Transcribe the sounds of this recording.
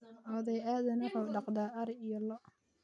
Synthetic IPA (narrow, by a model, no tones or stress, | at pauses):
ʔɔːðɛjaːðɐnʊħuːɖɑqd̪aːʔɐɾijɔlɔʔ